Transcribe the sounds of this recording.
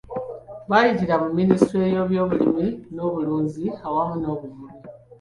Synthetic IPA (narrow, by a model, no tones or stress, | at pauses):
βaliɟiɾamumːinistɾejo̞βjo̞ːβulimino̞ːβuluːɲziawamuno̞ːβuβumi